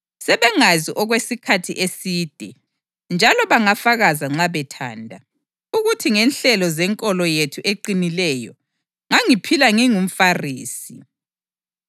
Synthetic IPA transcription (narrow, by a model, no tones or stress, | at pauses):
sɛβɛŋaziʔɔɣwesikʰatʰiʔesiːd̥ʱɛ | nd͡ʒʱalɔβaŋafaɣazaŋ͡ǁaβɛtʰa̰ːndʱa | uɣutʰiŋɛnɬɛlɔzɛŋkʼɔlɔjetʰuʔeǃinilɛjɔ | ŋaŋipʰilaŋiŋum̩fariːsi